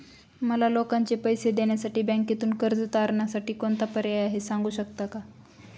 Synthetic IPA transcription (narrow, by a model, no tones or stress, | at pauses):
məlalokaɲt͡ɕepəjsed̪eɳjasaʈiːbɛ̃ŋket̪uːnkəɾd͡zt̪aɾɳjasaʈiːkont̪apəɾeaɦesaŋɡuːɕəkt̪aka